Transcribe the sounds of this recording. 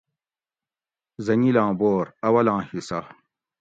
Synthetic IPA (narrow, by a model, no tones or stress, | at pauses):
zɐnilãːboːɾɐwɐlãːhisa